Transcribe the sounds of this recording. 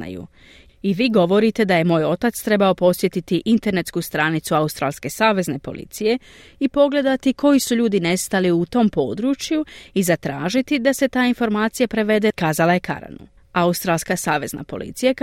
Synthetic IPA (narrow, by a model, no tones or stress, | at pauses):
a̰jṵ | iʋiːɡo̞ʋo̞ɾit̪e̞d̪aje̞mo̞ːjo̞t̪at̪st̪ɾe̞bao̞po̞sʋje̞t̪it̪iʔint̪e̞ɾne̞t̪skust̪ɾanit̪suaust̪ɾa̰lske̞saːʋe̞zne̞po̞̰lʔḭt̪sije̞ | ipo̞ɡle̞d̪at̪ikʰo̞jisuʎuːd̪ine̞st̪aliut̪o̞mpo̞ːd̪ɾut͡ʃjuizat̪ɾaːʒit̪id̪ase̞t̪aːinfo̞ɾmaːt̪sijapɾe̞ʋe̞d̪e̞kaːzalaje̞kʰa̰ɾa̰nṵ | aust̪ɾaːlˠskasaːʋe̞zna̰po̞lḭt̪sija